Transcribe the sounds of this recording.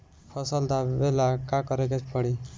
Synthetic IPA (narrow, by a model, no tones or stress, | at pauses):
pʰʌsʌld̪abelakakʌɾekat͡ʃʰpʌɽi